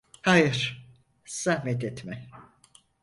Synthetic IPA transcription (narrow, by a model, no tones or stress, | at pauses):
hajɯɾ̥ | sahmɛt̪ɛt̪mɛ